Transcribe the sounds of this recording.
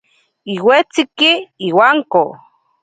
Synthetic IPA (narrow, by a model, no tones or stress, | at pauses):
iwet͡sikiiwaŋko